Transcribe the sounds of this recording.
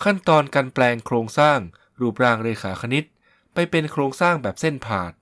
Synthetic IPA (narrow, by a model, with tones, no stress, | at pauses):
kʰa˥˩nt̪ɔː˧nka˧nplɛː˧ŋkʰɾoː˧ŋsaː˥˩ŋ | ɾuː˨˩p̚ɾaː˧ŋɾeː˧xʰaː˩˦kʰa˧ni˦˥t̪̚ | pa˧jpe˧nkʰɾoː˧ŋsaː˥˩ŋbɛː˨˩p̚se˥˩npʰaː˨˩t̪̚